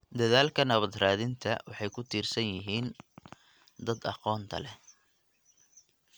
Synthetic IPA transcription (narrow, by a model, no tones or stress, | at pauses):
d̪ɐðaːlkʰɐnɐβɐd̪raːðɪnt̪ʰɐwɑħɑjkʰʊt̪ʰiːrsɐnjɪɦiːn | d̪ɐd̪ɑ̰qɔːnt̪ʰɐ̰lɛ